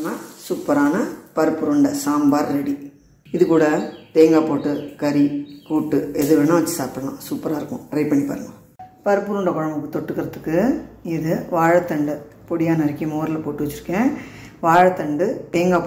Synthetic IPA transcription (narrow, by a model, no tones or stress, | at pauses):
naːsuːpːɐɾaːnɐpɐɾɯpːɯɾʊɳɖɐsaːmbaːɾɾɛɽi | ɪðɯkːuːɽɐt̪eːŋɡaːpoːʈːɯkɐɾikuːʈːɯɛðɯɾenːaːʋɐt͡ʃːɯsaːpɾɐlã̰ːsuːpːɐɾaːɪɾɯkːʊ̃ɾɐɪpːɐɳːipɐ̰ːɾɯŋɡɐ | pɐɾɯpːɯɾʊɳɖɐkɔɻɐmbɯkːɯt̪ɔʈːɯkːɪɾɐðɯkːɯɪðɯʋaːɻɐt̪ːɐɳɖɯ | pɔɽɪjaːnɐɐɾɐkːɪjɐ̃moːɾɪlɐpoːʈːɯʋɐt͡ʃːɪɾɯkːẽːʋaːɻɐt̪ɐɳɖɯt̪eːŋɡaːpː